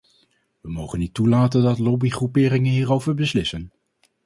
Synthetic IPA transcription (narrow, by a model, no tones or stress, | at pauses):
ʋəmowχənːitulaːtəndɑtlɔbiχrupɪːɾɪŋənɦiːrowvəɹbəslɪsən